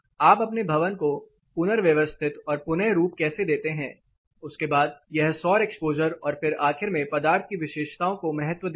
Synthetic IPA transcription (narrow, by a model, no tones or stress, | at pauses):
aːpɐpnebʱɐʋənko | pʊnəɾʋjɐʋəst̪ʰɪt̪ɔːɾpʊnɛɦɾuːpkɛːsed̪eːt̪eɦɛ̃ː | ʊskebaːd̪̚jɛɦsɔːɾɛkspoːd͡ʒəɾɔːɾfɪɾaːxɪɾmẽpɐd̪aːɾt̪̚ʰkiʋɪʃeːʃt̪aːõkomɐɦət̪ʋəd̪